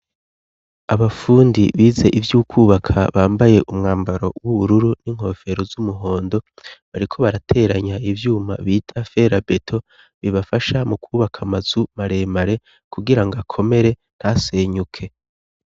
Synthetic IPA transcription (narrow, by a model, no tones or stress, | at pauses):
aβafuːndiβiːze̞ʔivjuːkʰuːβakʰa̰βaːmbaje̞ʔumŋaːmbaɾo̞wuβuɾuɾuniŋ̥ho̞fe̞ɾozumuɦo̞ːndo̞βaɾikʰo̞βaɾatʰe̞ɾaɲaivjuːma̰βiːtʰafe̞ɾabe̞tʰo̞ | βiβafaʃamukʰuːβakʰamaz̥umaɾe̞ːmaɾe̞ | kuɡiɾaŋɡakʰo̞me̞ɾe̞ | n̥hase̞ːɲukʰe̞